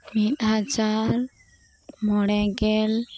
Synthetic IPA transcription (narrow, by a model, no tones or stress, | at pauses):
mit̪ɦad͡ʒaɾ | mɔɽɛɡɛl